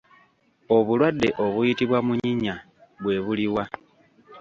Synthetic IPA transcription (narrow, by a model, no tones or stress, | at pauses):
o̞βulwadːe̞ʔo̞βujitiβwamuɲiɲa | βwe̞ːβuliwa